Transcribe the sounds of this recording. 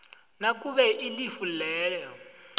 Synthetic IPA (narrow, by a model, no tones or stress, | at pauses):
nakʼuβɛʔilifulɛːlɛɔ